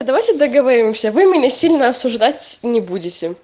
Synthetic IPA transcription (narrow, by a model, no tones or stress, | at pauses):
d̪ɐvajtʲɪd̪əɡəvɐɾʲimsʲəvɨmʲɪnʲəsʲilʲnəɐsʊʐd̪atʲnʲɪbudʲɪtʲɪ